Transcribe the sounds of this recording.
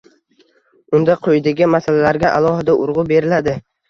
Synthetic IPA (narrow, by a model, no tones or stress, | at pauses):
ʊnd̪aqʰojd̪ɪɡʲɪmasalalaɾɡʲaʔa̰lˠɒhɪd̪aʔʊɾʁʊbe̞ɾɪlad̪ɪ